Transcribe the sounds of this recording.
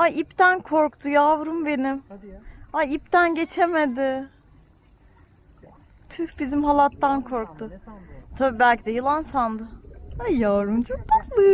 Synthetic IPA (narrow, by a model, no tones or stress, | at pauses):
aipt̪ænkʰo̞ɾkt̪ujavɾumbe̞nim | aip̚t̪ænɟe̞t͡ʃʰe̞me̞d̪ɪ | t̪ʰyhbizimɦalˠat̪ːankʰo̞ɾk̚t̪ʊt̪ʰabibælʲcʰid̪ɛjɯlˠansand̪ɯajavɾumt͡ʃʰok̚b̪aklˠɯ